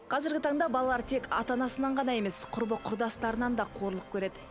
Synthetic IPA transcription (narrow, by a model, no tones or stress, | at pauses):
qʰɑzɪɾɡʲɪt̪ʰɑɴd̪ɑbɑlˠɑlˠɑɾt̪ʰe̞kɑ̰t̪ɑnɑsənɑɴʁɑnɑje̞me̞sqʰʊɾbəqʰʊɾd̪ɑst̪ɑɾənɑnd̪ɑqʰo̞ɾlˠəq̚kʲʰɵɾe̞d̪ɪ